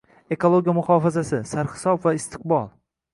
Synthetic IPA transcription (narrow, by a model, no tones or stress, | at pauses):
e̞kʰolˠoɡʲijamʊhɒːfazasɪsaɾχɪ̥sɒbvaɪst̪ʰɪ̥q̚bɒlˠ